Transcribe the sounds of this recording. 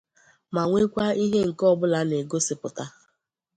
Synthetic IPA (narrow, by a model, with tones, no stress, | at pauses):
ma˨ŋʷe˦kʷa˦i˦ɦe˦ŋ̩˨kɔ˦bʊ˦la˦ne˨ɡo˦si˨pʊ˨ta˦